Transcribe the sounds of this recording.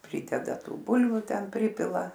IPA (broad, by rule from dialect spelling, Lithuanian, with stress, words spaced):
ˈpʲrʲiːdʲɛdɐ ˈtuː ˈbʊlʲʋʲʊ ˈtʲɛn ˈpʲrʲiːpʲɪlˠɐ